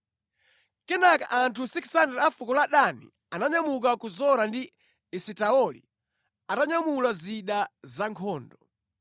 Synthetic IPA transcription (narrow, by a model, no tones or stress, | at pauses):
kɛnaka̰ʔantʰusikʰsandɛɾafukɔlaɗanḭ | anaɲamuk̬akuzɔɾandi | isitaɔlḭ | ataɲamulaziɗazaŋkʰɔːndɔ